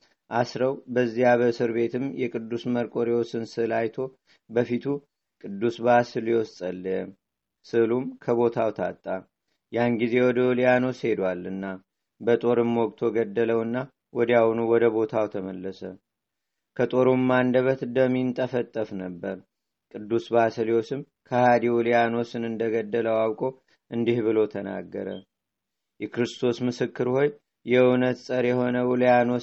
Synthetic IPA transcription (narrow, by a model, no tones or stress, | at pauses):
ʔasɾəwbəzːijaβəsɨɾbe̞t̪ʰɨmjɛkʼɨd̪ːusməɾkʼo̞ɾjɛwɔsɨnsɨlajt̪ʰo̞ | bəfit̪ʰu | kʼɨd̪ːusbasɨljɛwɔst̪ʼəlː | sɨlumkʰəβo̞t̪ʰawt̪ʰa̰t̪ʼːa | janɡize̞wɔd̪əljanose̞d̪walɨnːa | bət̪ʼo̞ɾɨmːwɔɡʼt̪ʰo̞ɡəd̪ːələwɨnːa | wɔd̪jawnuwɔd̪əβo̞t̪ʰawt̪ʰəməlːəsə | kʰət̪ʼo̞ɾomːand̪əβət̪d̪əmːint̪ʼəfət̪ʼːəfnəbːəɾ | kʼɨd̪ːusbasəlio̞sɨm | kʰəhad̪iwuljano̞sɨnɨnd̪əɡəd̪ːələwawkʼo̞ | ʔɨnd̪ihβɨlo̞t̪ʰəna̰ɡːə̰ɾə̰ | jɛkɾɨst̪ʰo̞smɨsɨkːɨɾho̞j | jɛɨwnət̪sʼəɾjɛho̞nəwulijano̞